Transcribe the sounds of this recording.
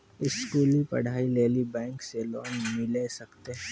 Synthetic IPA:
ɪskuːlipɐ̰ɽ̤aːileːlibɛ̃ːŋkselɔːɡmɪlesɐkt̪eɛ

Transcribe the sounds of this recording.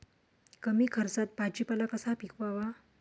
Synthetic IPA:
kəmiːkʰəɾt͡sat̪̚pad͡ʑipalakəsapikʰʋaʋa

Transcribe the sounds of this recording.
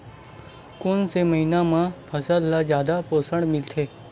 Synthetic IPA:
kʊnsemɐɦiːnãmãpʰəsəlːad͡ʒjaːd̪apoːsəɳmɪlt̪ʰeː

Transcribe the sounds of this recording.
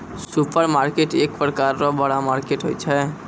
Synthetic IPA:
supʰəɾmaːɾkeʈeːkpɾəkaːɾːɔbəɽamaːɾkeʈɦo̰jt͡ʃʰɛ

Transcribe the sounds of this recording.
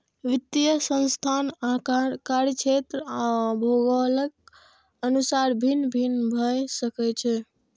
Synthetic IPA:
ʋit̪ijəsə̃nst̪ʰanakaɾt͡ʃʰet̪ɾəabʱoɡələk̚ | ənusaɾbʱinbʱinbʱəjsəkɛt͡ʃʰe

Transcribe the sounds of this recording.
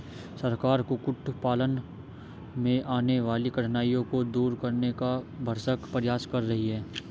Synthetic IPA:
sɐɾkaːɾkokʊʈʰpaːlən | mẽʔaːneʋaːlikɐʈʰnaːijõkod̪uːɾkɐɾnekabʱəɾsəkpɾɪjaːskɐɾːɐɦiɦɛː

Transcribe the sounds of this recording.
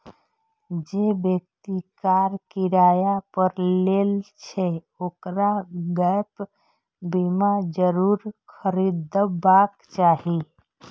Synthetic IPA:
d͡ʒebjək̚t̪ikaɾkiɾajapəɾlelt͡ʃʰɛ | okɾaɡəp | bimad͡ʒəɾuɾkʰəɾid̪əbakt͡ʃaɦi

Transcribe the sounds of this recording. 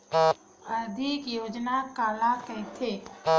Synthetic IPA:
əd̪ʱikjoːd͡ʒnakaːlakəjt̪ʰe

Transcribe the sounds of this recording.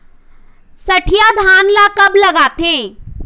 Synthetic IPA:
sɐʈʰijad̪ʱaːnlakɐblɐɡaːt̪ẽ

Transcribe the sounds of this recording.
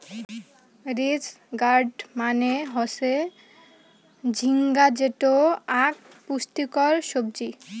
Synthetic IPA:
ɾid͡ʑ | ɡaɾɖmaneɦose | d͡ʑʱiŋɡad͡ʑeʈoak̚ | puʃt̪ikɔɾʃob̚d͡ʑi

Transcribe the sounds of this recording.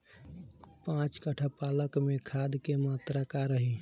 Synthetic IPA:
pãt͡ʃkəʈʰəpaləkmekʰad̪kemat̪ɾakaɾəɦi

